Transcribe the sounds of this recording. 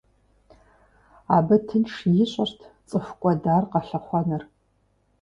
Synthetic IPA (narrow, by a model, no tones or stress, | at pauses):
aːbɐtʰɨnʂjɪɕʷʼɐrtʰt͡sʼɨfkʷʼɔdaːrqɐɬɐχʷɔnɨr